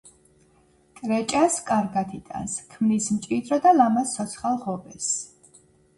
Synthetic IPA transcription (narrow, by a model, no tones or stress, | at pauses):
kʼɾɛt͡ʃʼaskʼaɾɡat̪ʰit̪ʼa̰nskʰmnismt͡ʃʼid̪ɾɔd̪alamast̪ʰɔt̪sʰχalˠʁɔbɛs